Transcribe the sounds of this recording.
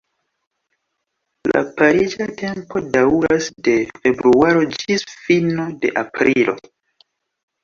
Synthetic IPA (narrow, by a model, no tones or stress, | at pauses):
la̰paɾid͡ʒate̞mpo̞dauɾasde̞fe̞bɾuaɾo̞d͡ʒisfinode̞̰ʔapɾilo̞̰